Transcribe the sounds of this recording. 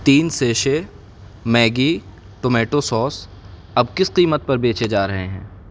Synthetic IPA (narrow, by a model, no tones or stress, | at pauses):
t̪iːnseːʃe | mɛːɡi | ʈomɛːʈosɔːs | ɐbkɪsqiːmət̪̚pɐɾbeːt͡ʃed͡ʒaːɾɐɦeɦɛ̰̃ː